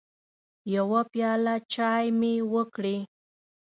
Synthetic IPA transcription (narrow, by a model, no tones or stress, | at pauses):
jawapjɑlat͡ʃɑjmewəkɽe